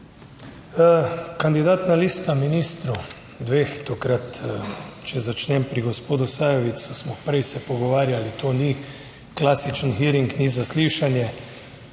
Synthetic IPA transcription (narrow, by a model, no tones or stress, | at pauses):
kand̪id̪aːt̪naliːst̪aminist̪ɾu | d̪ʋeːxt̪okɾat̪ | t͡ʃɛzat͡ʃnɛmpɾiɡɔspoːd̪usaːjɔʋit̪susmɔpɾɛjsɛpɔɡɔʋaːɾjalit̪ʰoːni | klaːsit͡ʃənxiːɾiŋknizasliːʃanjɛ